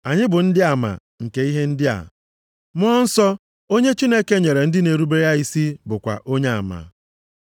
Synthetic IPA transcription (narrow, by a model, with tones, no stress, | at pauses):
a˨ɲɪ˦bʊ˨n̩˦dɪ˦a˨ma̰˨ | ŋ̩˨ke˨i˦ɦe˦n̩˦dɪ˦a̰˨ | m˦ɔ˦n̩˦sɔ˦ | o˦ɲe˦t͡ʃi˦ne˦ke˦ɲe˨ɾe˨n̩˦dɪ˦ne˨ɾu˦be˦ja˦i˦si˦bʊ˨kʷa̰˨ʔo˦ɲe˦a˨ma̰˨